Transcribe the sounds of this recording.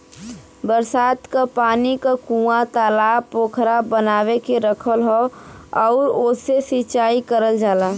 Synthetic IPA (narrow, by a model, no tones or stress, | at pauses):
bəɾsaːt̪kapaːnikakũːat̪aːlaːpoːkʰɾabənaːwekeɾəkʰəlɦoɔʊɾoːsesit͡ʃaːikəɾəld͡ʒaːla